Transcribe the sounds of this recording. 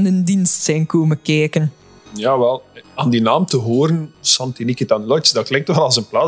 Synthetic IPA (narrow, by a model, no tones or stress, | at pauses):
nəndinstsɛjnkoːməkɛːkən | jaːʋɛlˠaːnd̪inaːmtəɦoːɾənsɑntinikitanlɔt͡ʃdɑt̚klɛŋk̚tʋɛlˠɑlˠzənplaː